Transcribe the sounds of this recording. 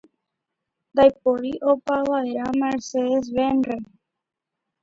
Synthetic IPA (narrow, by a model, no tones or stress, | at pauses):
d̪ajpoɾiʔopaβaeɾameɾseðes̬βenre